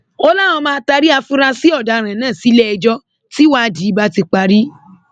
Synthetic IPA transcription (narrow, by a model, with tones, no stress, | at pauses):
ɔ˧la˦˨w̃ɔ̃˧mãː˧˦ta˧ɾi˦a˧fu˦ɾa˧si˦ɔ˦˨da˨˦ɾ̃ã˨nãː˦˨si˨˦lɛ˦ɛ˧d͡ʒɔ˦ | ti˦wa˦˧di˨˦ba˦ti˧k͡pa˧ɾi˦